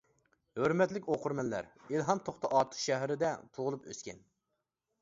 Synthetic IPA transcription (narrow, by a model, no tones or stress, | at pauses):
høɾmɛt̪lɪkʲoqʰʊɾmɛnlæ̰ɾilˠɦɑmt̪ʰoχt̪ʰɑʔɑt̪ʰə̥χʃɛɦɾɪd̪ɛt̪ʰuʁʊlˠupø̰skʲɛ̰n